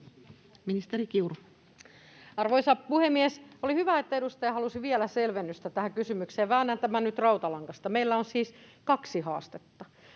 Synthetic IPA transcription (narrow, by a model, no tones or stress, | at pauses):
minist̪eɾikiur | ɑrʋoisɑpuhemːiesolihyʋæet̪ːæedust̪ɑjɑhɑlusiʋielæselʋenːyst̪æt̪æhækysymykseːʋæːnːænt̪æmænnyt̪rɑut̪ɑlɑŋkɑst̪ɑmeilːæonsiːskɑksihɑ̰ːst̪et̪ːɑ